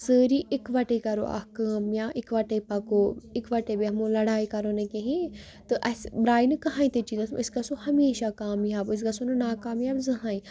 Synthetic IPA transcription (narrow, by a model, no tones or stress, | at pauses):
səːɾiːʔɪkʋɐʈekɐɾo̰ʔa̰kaːmjaːʔɪkʋɐʈepɐkoːɪkʋɐʈebiɐmũlɐɽaːikɐɾoːnekeɦi | t̪ɨʔɐsbɾaːinɨkɐɦãːĩt̪et͡ʃiːzɐsmɪskasohɐmeːʃakaːmjaːbɪs̬kasonɨnaːkaːmjaːbzɐɦãːĩ